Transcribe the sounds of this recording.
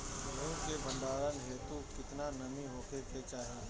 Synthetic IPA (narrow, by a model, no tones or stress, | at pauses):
bɐɾõkebɐ̃ɳɖ̪aːɾənɦeːt̪ukɪt̪nanɐmĩɦoːkeket͡ʃaːɦie